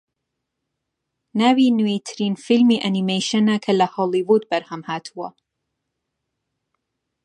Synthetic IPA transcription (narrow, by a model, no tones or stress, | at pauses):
naːwiːnuwet̪ʰɾiːnfilmiːʔanimejʃɐnɐkʰɐlɐhɔlˠivud̪̚bɐɾhɐmhaːt̪ʰuwɐ̰